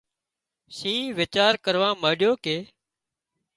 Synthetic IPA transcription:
sĩːʋɪt͡ʃaːɾkəɾʋãːməːɗɪjoːkeː

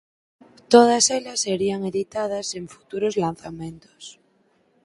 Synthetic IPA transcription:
t̪oð̞aselasːeɾiaŋeðit̪að̞asẽ̞ɱfu̥t̪uɾozlan̟θamẽnt̪o̥s

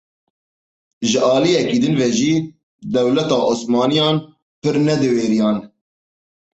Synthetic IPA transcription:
ʒɨʔɑːlijɛkiːd̪ɨnvɛʒiː | d̪ɛwlɛt̪ɑːʔosmɑːnijɑːn | pɨɾnɛd̪ɨweːɾijɑːn

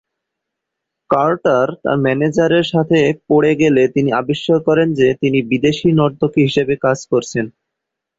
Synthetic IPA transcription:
kaɾʈaɾt̪a̰ɾmɛned͡ʑaɾeɾʃat̪ʰepoɽeɡelet̪iniabeʃːaɾkɔɾend͡ʑet̪inibid̪eʃinɔɾd̪okeɦiʃebekad͡ʑkoɾt͡ɕʰen

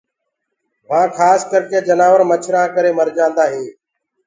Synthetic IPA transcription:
ʋãːkʰaːskəɾkeːd͡ʒənaːʋəɾmət͡ʃʰɾãːkəɾeːməɾd͡ʒãːnd̪aːɦẽː

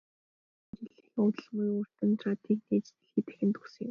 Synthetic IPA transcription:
t͡ɕiɮɘ̆xʊt̪ə̆ɮʁujur̥t̪ɘ̆nt̪ʰrat̪ʰiːkniːt͡ɕt̪ɘ̆ɮiːt̪æ̥xʲɘ̆nt̪u̥sɘ̆ŋɪ̆m

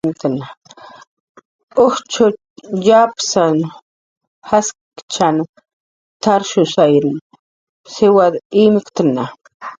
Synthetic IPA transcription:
nt̪əna | ʊht͡ʃʰo | japsan | has | kt͡ʃʰan | t̪ʰaɾʃʊsajɾun | sɪwad̪imkt̪əna

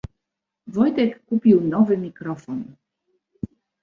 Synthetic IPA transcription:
vɔjt̪ɛkːupiunɔvɨmʲikɾɔfɔn

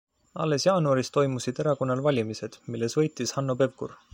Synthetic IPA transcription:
ɑ̰lːesjɑːnuɑɾist̪o̞jmusid̪̥e̞ɾɑko̞nːɑlvɑlʲimise̞d̪̥milːe̞svɤ̞jt̪ˑːishɑnːope̞vkṵr

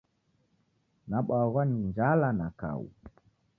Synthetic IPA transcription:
naɓaɣwaniund͡ʒalanaka̰ṵ

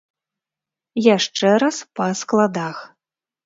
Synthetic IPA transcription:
jaʂt͡ʂɛɾɐspɐsklˠad̪ax

